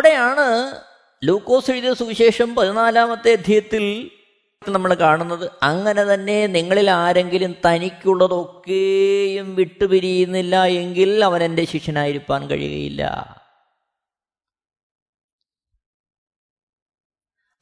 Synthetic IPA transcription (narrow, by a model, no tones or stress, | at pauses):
ɽe̞jaːɳɨ | luːkːo̞ːsɾiːd̪ɐsuɕe̞ːʂɐmpɐðinaːlaːmɐt̪ːeɐd̪ʱjijɐt̪ːil | nɐmːɐɭkaːɳunːɐðɨɐŋːɐne̞t̪ɐnːe̞niŋːɐɭilaːɾe̞ŋɡilumt̪ɐnikʲːuɭːɐðo̞kːejumʋiʈːupiɾijunːilːɐe̞ŋɡilɐʋɐnende̞ɕikʂɐnaːjiɾupːaːnkɐ̰ɻḭjṵɣɐ̰jḭlːɐ̰